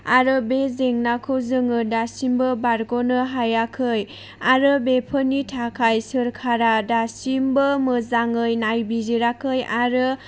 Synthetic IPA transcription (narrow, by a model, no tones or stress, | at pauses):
aɾɯbezeŋnakʰɯwzɯŋɯdasimbɯbaɾɡonɯɦajakʰɯj | aɾɯbepʰɯnitʰakʰajsɯɾkʰaɾadasimbɯmɯzaŋɯjnajbiziɾakʰɯjaɾɯ